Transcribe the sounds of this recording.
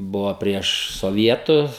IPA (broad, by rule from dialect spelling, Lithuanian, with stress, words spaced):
ˈbʊʋoː ˈpʲrʲiɛʃ soːˈʋʲiɛtʊs